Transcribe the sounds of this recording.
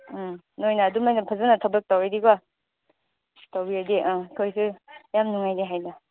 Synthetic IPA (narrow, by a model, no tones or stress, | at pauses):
nojnaːdumajnapʰazɯnɐtʰabɐk̚tawɾediɡa | tawbiadiʔkʰojsɯjamnuŋajniɦajna